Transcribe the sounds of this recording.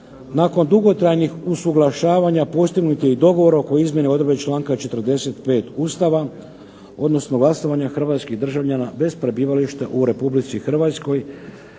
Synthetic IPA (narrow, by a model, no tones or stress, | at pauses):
naːko̞nd̪uɡo̞t̪ɾajnixusuɡlˠaʃaːʋaɲapo̞st̪iɡnut̪jeid̪o̞ɡo̞ʋo̞ɾao̞ko̞izmje̞neo̞d̪ɾbet͡ʃlˠaːŋkat͡ʃe̞t̪r̩d̪e̞se̞t̪pe̞ːt̪uːst̪aʋa | o̞d̪no̞snoɡlaso̞ʋaɲaxr̩ʋaːt̪skiɣd̪r̩ʒaʋʎanabe̞spɾe̞biːʋaliʃt̪eʔuɾe̞publit̪sixr̩ʋat̪sko̞j